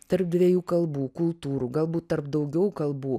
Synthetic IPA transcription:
t̪ɐɾp̚d̪ʲʋʲiɛjuːkɐlˠbuːkʊlˠt̪uːɾuːɡɐlˠbuːt̪t̪ɐɾp̚d̪ɐʊɡʲɛʊkɐlˠbuː

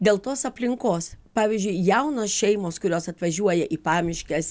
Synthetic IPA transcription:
d̪ʲeːlˠt̪oːsɐpʲlʲɪŋkoːspɑːʋʲizʲd͡ʒʲʊɪjɛʊnoːsʃʲɛɪmoːskʊɾʲoːsɐt̪ʋɐʒʲuɔjɛʔiːpɑːmʲɪʃʲkʲɛs

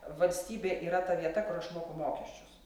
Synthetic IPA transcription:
ʋɐlʲsʲt̪ʲiːbʲeːʔiːɾɐt̪ɐʋʲiɛt̪ɐkʊɾɐʃmoːkʊmoːkʲɛʃʲt͡ʃʲʊs

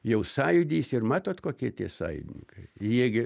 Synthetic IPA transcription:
jɛʊsɑːjʊd̪ʲiːsɪrmɑːt̪oːt̪koːkʲiɛt̪ʲiɛsɑ̰ːjʊ̰d̪ʲɪnʲɪ̰ŋkɐɪjiɛɡʲɪ

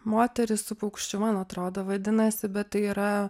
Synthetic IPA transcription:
moːt̪ʲɛɾʲɪssʊpɐʊkʃʲt͡ʃʲʊmɐnɐt̪ɾoːd̪oːʋɐd̪ʲɪnɐsʲɪbʲɛt̪t̪ɐɪiːɾɐ

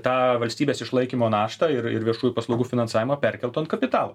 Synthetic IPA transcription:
t̪ɑːʋɐlʲsʲt̪ʲiːbʲeːsɪʃlˠɐɪkʲiːmoːnɑːʃt̪ɑɪɾɪ̰ɾʋʲiɛʃuːjupɐslˠɐʊɡuːfʲɪnɐnsɑːʋʲɪmoːpʲɛɾʲkʲɛlˠt̪oːɐnt̪̚kɐpʲɪt̪ɑːlˠoː

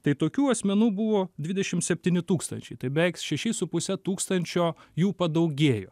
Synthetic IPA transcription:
t̪ɐɪt̪oːkʲuːɐsʲmʲɛnuːbʊʋoːd̪ʲʋʲɪdʲɛʃʲɪmsʲɛpʲt̪ʲiːnʲɪt̪uːkst̪ɐnʲt͡ʃʲɛɪt̪ɐɪbʲɛɪksʃʲɛʃʲɪsʊpʊsʲɛt̪uːkst̪ɐnʲt͡ʃʲoːjuːpɐd̪ɐʊɡʲeːjo̰ː

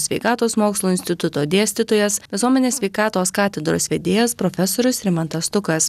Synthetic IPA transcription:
sʲʋʲɛɪkɑːt̪oːsmoːkslˠuːɪnʲsʲt̪ʲɪt̪ʊt̪oːd̪ʲeɛsʲt̪ʲɪt̪oːjɛsʋʲɪsuɔmʲɛnʲeːsʲʋʲɛɪkɑːt̪oːskɑːt̪ʲɛd̪ɾo̰sʋʲeːd̪ʲeːjɛspɾoːfʲɛsoːɾʲʊsɾʲɪmɐnt̪ɐst̪ʊkɐs

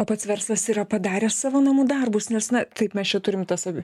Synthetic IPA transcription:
oːpɐt̪sʋʲɛɾslˠɐsiːɾɐpɐd̪ɑːɾʲeːssɑːʋoːnɐmuːd̪ɐrbʊsnʲɛsnɐt̪ɐɪpmʲɛst͡ʃʲɛt̪ʊɾʲɪmt̪ɐsɐbʲɪ

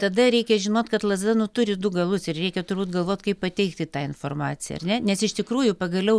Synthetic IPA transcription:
t̪ɐd̪ɐɾʲɛɪkʲɛʒʲɪnoːt̪kɐt̪lˠɐzd̪ɑnʊt̪ʊɾʲɪd̪ʊɡɐlˠʊsɪrɾʲɛɪkʲɛt̪ʊɾbuːt̪ɡɐlˠʋoːt̪ʲkɐɪppɐt̪ʲɛɪkt̪ʲɪt̪ɑːɪnfoːrmɑːt͡sʲɪjɛ̰ɐ̰rʲnʲɛnʲɛsɪʃt̪ʲɪkɾuːjʊpɐɡɐlʲɛʊ

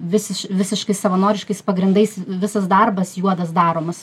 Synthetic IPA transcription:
ʋʲɪsʲɪʃʋʲɪsʲɪʃkɐɪssɐʋɐnoːɾʲɪʃkɐɪspɐɡɾʲɪnd̪ɐɪsʋʲɪsɐsd̪ɐrbɐsjuɔd̪ɐsd̪ɑːɾoːmɐs

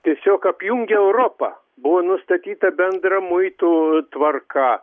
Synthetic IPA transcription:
t̪ʲiɛsʲoːkɐpʲjuŋʲɡʲɛɛʊɾoːpɐ̰ | bʊʋoːnʊst̪ɐt̪ʲiːt̪ɐbʲɛnd̪rɐmʊɪt̪ut̪ʋɐrkɐ

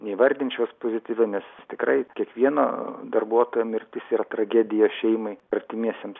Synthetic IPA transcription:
nʲɛɪʋɐɾʲd̪ʲɪnʲt͡ʃʲospoːzʲɪt̪ʲiːʋʲɛnʲɛst̪ʲɪkrɐɪkʲiɛkʋʲiɛno̰ːd̪ɐrbuɔt̪oːjoːmʲɪɾʲt̪ʲɪsiːɾɐt̪rɐɡʲæːd̪ʲɪjoːʃʲɛɪmɐɪɐɾʲt̪ʲɪmʲiɛsʲɛms

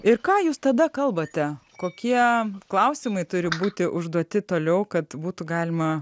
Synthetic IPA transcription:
ɪɾkɑːjuːst̪ɐd̪ɐkɐlˠbɐt̪ʲɛkoːkʲiɛklˠɐʊsʲɪmɐɪt̪ʊɾʲɪbuːt̪ʲɪʔʊʒd̪uɔt̪ʲɪt̪oːlʲɛʊkɐt̪buːt̪ʊɡɑːlʲɪmɐ

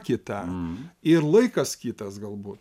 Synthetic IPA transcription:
kʲɪt̪ɐɪɾlˠɐɪkɐskʲiːt̪ɐsɡɐlˠbuːt̪

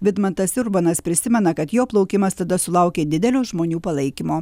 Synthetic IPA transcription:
ʋʲɪd̪mɐnt̪ɐsʊɾbonɐspʲɾʲɪsʲɪmʲɛnɐkɐt̪joːplˠɒʊkʲɪmɐst̪ɐd̪ɐsʊlˠɑˑʊkʲeːd̪ʲɪd̪ʲɛlʲoːʒmoːnʲuːpɐlˠɐɪkʲɪmoː

